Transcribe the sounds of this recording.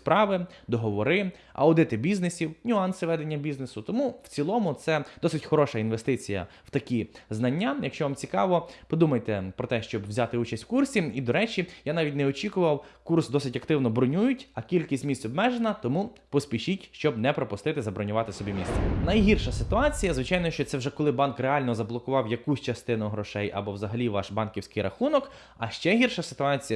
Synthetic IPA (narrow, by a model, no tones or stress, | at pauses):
spɾɑʋɪd̪ɔɦɔʋɔɾɪ | ɐ̰wd̪ɪt̪ɪbʲiznesʲiwnʲʊɑnsɪʋɛd̪enʲːɐbʲiznesʊt̪ɔmuw̥t͡sʲilˠɔmʊt̪sɛd̪̥ɔsɪtʲxɔɾɔʃɐinʋest̪ɪt͡sʲijɐ̰ | w̥t̪ɐkʲiznɐnʲːajɐkʃt͡ʃɔʋɑmt͡sʲikɑ̰ʋɔpɔd̪umɐjt̪ɛpɾɔt̪ɛʃt͡ʃɔbwzʲɑt̪ɪut͡ʃɐsʲtʲwkursʲiid̪ɔɾɛt͡ʃijanɑʋʲit̚ʲnɛɔt͡ʃʲikʊʋɐwkursd̪ɔsɪtʲɐkt̪ɪwnɔbɾɔnʲujʊtʲɐkʲilʲkʲisʲtʲmʲisʲtʲɔbmɛʒenɐt̪ɔmu | pɔspʲiʃitʲʃt͡ʃɔbnɛpɾɔpʊst̪ɪt̪ɪzɐbɾɔnʲʊʋɑt̪ɪsɔbʲimʲist̪sɛnɐjɦirʃɐsɪt̪ʊɑt͡sʲijɐzʋɪt͡ʃɑjnɔʃt͡ʃɔt̪sɛwʒɛkɔlˠɪbɑnkreɑlʲnɔzɐblˠɔkʊʋɑwjɐkusʲt͡ʃɐst̪ɪnʊɦɾɔʃɛjɐ̰bɔwzɐɦɐlʲiʋɑʃbɑnkʲiwsʲkɪjɾʔɐ̰xunɔk | ɐʃt͡ʃɛɦʲirʃɐsɪ̥t̪ʊɑt͡sʲijɐ